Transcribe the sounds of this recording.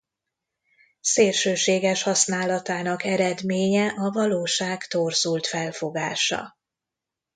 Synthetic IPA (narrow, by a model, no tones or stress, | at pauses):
seːrʃøːʃeːɡɛʃhɒsnaːlɒt̪aːnɒkɛɾɛd̪meːɲɛʔɒvɒloːʃaːkt̪orzult̪fɛlfo̞ɡaːʃɒ̰